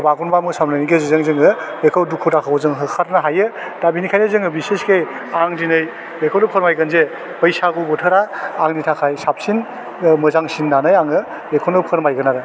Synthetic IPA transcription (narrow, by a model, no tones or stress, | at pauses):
baɡunbamɯsamnaniɡezizɯŋzɯŋɯbekʰawdukʰːutʰakʰawɔzɯŋɦɯkʰatnaɦajɯ | d̥abinikʰajnɯzɯŋɯbiseskej | aŋdinɯj | bekʰownɯpʰɯɾmajɡɯnze | pɔjsaɡubɔtʰɯɾaːŋnitʰakʰajsap̚sin | mɯzaŋsinːanɯjaŋɯ | bekʰownɯpʰɯɾmajɡɯnaɾɯ